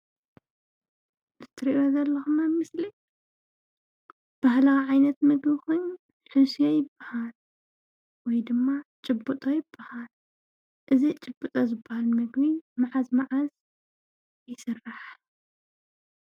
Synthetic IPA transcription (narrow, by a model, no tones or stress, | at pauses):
zɨt̪ʰːɨɾiʔjozɐlːɐxumɐmɨsli | b̥ahlawʕajnɐt̪mɨɡbikʰo̞jɲu | ħusijojɪbːahal | wɔjd̪ɨmːat͡ʃʼɨbut̪ʼojɪbːahal | ʔɨzit͡ʃʼɨbːut̪ʼozɨbːahalmɨɡbimaʕazmaʕaz | jɪsɨrːaħ